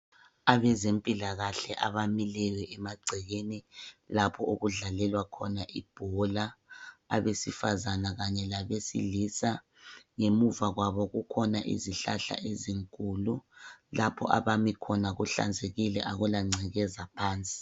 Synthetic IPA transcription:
aβɛzempʼilaɣaɬɛʔaβamilɛwɛɛmaɡ͡ǀʱɛɣenilapʰɔoɣuɮalɛlwakʰɔnaʔib̥ʱɔlaː | βesifazanaɣaɲɛlaβesḭlisa | ŋemuvaɣwaβɔɣukʰɔnaʔḭziɬa̰ɬa̰ʔeziŋkʼululapʰɔ̰ʔa̰βamikʰɔnaɣuɬa̰nd͡zʱeɣilɛ̰ʔaɣulaŋ͡ǀʱɛɣɛzapʰaːnt͡sʼi̥

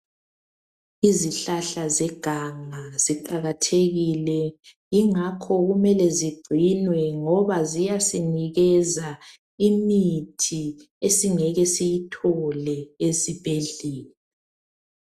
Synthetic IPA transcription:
iziɬaɬazɛɡ̥ʱaŋaziǃaɣatʰeɣilɛ | iŋakʰɔɣumɛlɛziɡ͡ǀʱinwɛŋɔβazijasiniɣɛza | imitʰi | esiŋɛɣɛsijitʰɔlɛesib̥ʱeɮiːlɛ

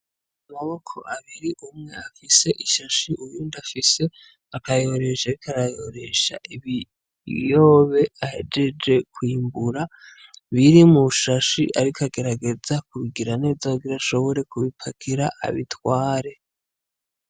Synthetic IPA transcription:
amaβo̞kʰo̞̰ʔaβiɾiʔumŋe̞afise̞ʔiʃaʃiʔujuːndafise̞ | akajo̞ɾe̞ʃaβikʰaɾajo̞ɾe̞ʃa̰ʔiβi | joβe̞ahe̞̰d͡ʒe̞d͡ʒe̞kwiːmbuɾa | βiɾimuʃaʃḭʔaɾikʰaɡe̞ɾaɡe̞zakuβiɡiɾane̞ːzaaɡiɾaʃo̞βo̞ɾe̞kuβipʰakʰiɾaʔa̰βitwaːɾe̞

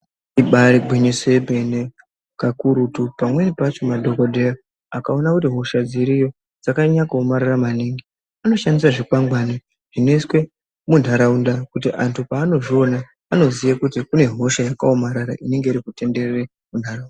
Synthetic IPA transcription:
iɓaɾiɡʱwiɲisebʱe̞ne | kakuɾutupamwenipat͡ʃo̞madʱo̞kodʱea | akao̞nakutiɦo̞ʃad͡ziɾijo̞ | d͡zakaɲakoːmaɾaramaniːŋɡi | ano̞ʃandisaʐikaŋɡwani | ʐ̥ine̞iswe̞ | mundʱaɾaundakutiʔantʰupaːno̞ʐio̞naː | no̞zijakutikune̞ɦo̞ʃajakaomaɾaɾaʔine̞ŋɡe̞iɾikute̞nde̞rere | mundʱarauna

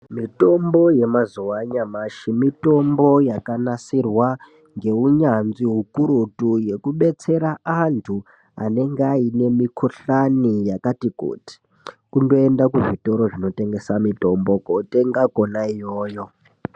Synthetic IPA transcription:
mito̞mbo̞je̞mazuwaɲamaʃimito̞mbo̞jakanasirwa | ŋɡe̞uɲanziɦukuɾutuje̞kuɓe̞t͡se̞ɾaantʰu | a̰ne̞ŋɡeaine̞mikʰuɬanijakatikṵːti̥ | kundo̞endakuʐito̞ɾo̞ʐino̞te̞ŋɡe̞samito̞mbo̞kote̞ŋɡakonaijoːjo̞

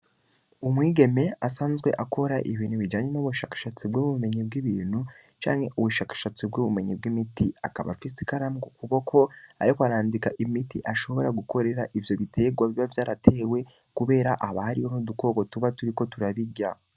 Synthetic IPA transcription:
umwiːɡe̞me̞asaːnzɡwe̞̰ʔako̞ɾaʔiβiːnhuβid͡ʒaːɲenuβuʃaːkḁʃat͡sibɡoβuume̞ɲib̚ɡiβiːn̥hu | t͡ʃa̰ːɲhe̞ʔuβuʃaːkḁʃat͡sibɡoβume̞ɲib̚ɡimitia̰kaβa̰fisi̥kaɾamɡokuβo̞kʰo̞a̰ɾikwaɾaːndikaʔimitḭʔaʃo̞βo̞ɾaɡuko̞ɾe̞ɾaʔivjo̞βitʰe̞ːɡwaβiβavjaːɾatʰe̞ːwe̞ | kuβe̞ːɾaʔaβahaɾiho̞nuduko̞ːko̞tuβatuɾiko̞tuɾaβiɟa

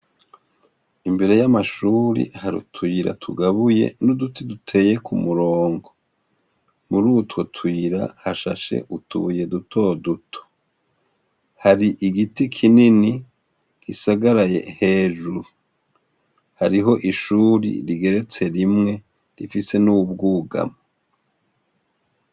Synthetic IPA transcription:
imbe̞ɾe̞jamaʃuːɾḭhaɾṵtʰiɾa̰tʰuɡaβuje̞̰nudutidutʰe̞ːje̞kʰumuɾoːŋɡo | muɾutwotʰwiɾa̰haʃaʃe̞̰ʔutuβuje̞dutʰo̞dutʰo̥ | haɾiʔiɡitikʰinini | kisaɡaɾaje̞̰he̞ːʒuɾu | haɾiɦo̞ʔiʃuːɾḭɾiɡe̞ɾe̞t͡se̞ɾimŋe̞ | ɾifise̞nubɡuːɡa̰mo

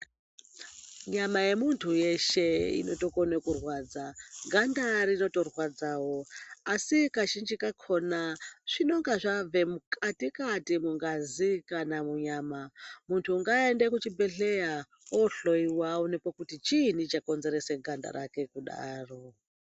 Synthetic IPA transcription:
ɲamaje̞muntʰujeʃeḭno̞to̞konekurwaːd͡zaɡʱandaɾino̞to̞rwad͡zaːwoasikaʃind͡ʒikakʰonaʐ̥ino̞ŋɡaʐave̞mukʰʼatikatimuŋɡazikanamuɲaːmamuntʰuːŋɡaendekut͡ʃibʱeɬeja | oɬo̞iwawonepokutit͡ʃin̤it͡ʃako̞nze̞ɾeseɡʱanda̰ɾake̞kuɗa̰ːro

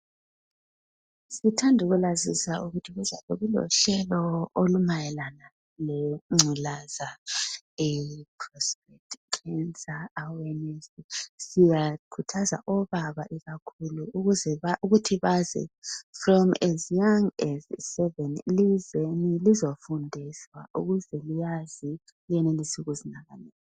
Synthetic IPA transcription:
sitʰandʱuɣulazisauɣutʰiβuzaβɛɣulɔ̰ɬɛlɔolumajɛlana | leŋ͡ǀʱilaza | ɛpʰrɔsprɛtʰkʰɛnsʼaːwɛnesisijakʰutʰaza̰ʔɔβaβaʔiɣakʰuluɣuzɛaʔuɣutʰiβazɛ̰frɔmɛzjaŋɛssɛvɛnlizenilizofundʱiswaʔṵɣuzɛlijazi | lijɛnelisuɣuzinaɣanɛːl

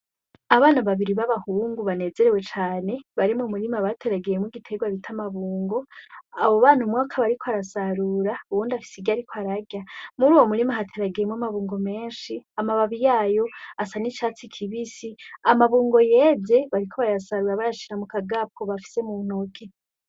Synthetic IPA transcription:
aβaːnaβaβiɾiβaβahuːŋɡuβane̞ːze̞ɾe̞we̞t͡ʃaːne̞βaɾimumuɾimaβatʰe̞ɾaɡejemwiɡitʰe̞ɡwaβitʰamaβuːŋɡo̞aβo̞βaːn̥umwaːkʰaβaɾikʰoaɾasaɾuːɾauβuːndafi̥siɡjaɾikʰoaɾaɟjamuɾuːwomuɾimaɦatʰe̞ɾaɡejemwamaβuːŋɡo̞me̞ːnʃiamaβaβijaːjo̞asanit͡ʃaːt͡sikʰiβisiamaβuːŋɡo̞je̞ze̞βaɾikʰo̞βajasaɾuɾaβajaʃiɾamukaɡap̚kʰo̞βafi̥se̞mun̥okʰe

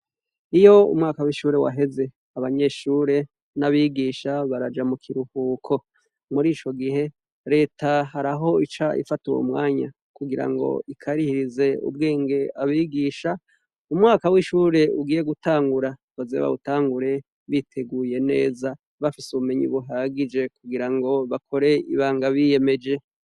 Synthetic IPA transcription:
ijo̞ṵmŋaːkawiʃuːɾe̞wa̰ɦe̞ze̞ | aβaɲe̞ʃuːɾe̞ | naβiɡiʃaβaɾad͡ʒamukʰiɾuhuːkʰo̞ | muɾiːt͡ʃo̞ɡihe̞ | ɾe̞ːtahaɾaɦo̞it͡ʃaʔḭfatuɾo̰umŋaːɲa̰ | kuɡiɾa̰ŋɡo̞̰ikʰaɾihiɾize̞ṵbɡeːŋɡe̞aβiːɡiʃa | umŋaːkawiʃuːɾe̞uɡiːje̞ɡutaːŋɡuɾawazḛβa̰βutaːŋɡuɾe̞ | βitʰe̞ɡuːje̞ne̞ːza | βafisuβume̞ɲḭβuɦaːɡid͡ʒe̞kuɡiɾaŋɡo̞βakʰo̞ɾe̞ḭβaːŋɡaβije̞me̞d͡ʒe̞

